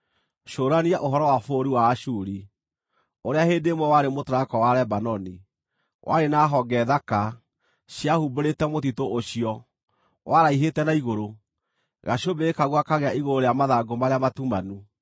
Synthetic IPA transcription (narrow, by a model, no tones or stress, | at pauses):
ʃoːɾaniaʔoɦɔɾɔwafoːɾiwaːʃuɾi | oɾeaheːdemwɔwaɾemotoɾakɔwaɾɛbanɔni | wʔa̰ɾenaɦɔɡɛðaka | ɕjahuboɾetɛmotitooɕiɔ | wʔaɾaiɦetɛnaiɣoɾo | ɣaɕobeːkaɣwakaɣeaʔiɣoɾoɾejamaðaɡomaɾeamatumanu